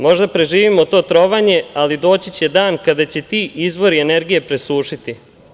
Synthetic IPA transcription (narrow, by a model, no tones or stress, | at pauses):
mo̞ʒd̪apɾe̞ʒiːʋimo̞t̪o̞ːt̪ɾo̞ʋaɲe̞alid̪o̞ːt͡ɕit͡ɕe̞d̪aːnkad̪at͡ɕe̞t̪iːizʋo̞ɾiene̞ɾɡije̞pɾe̞suːʃit̪i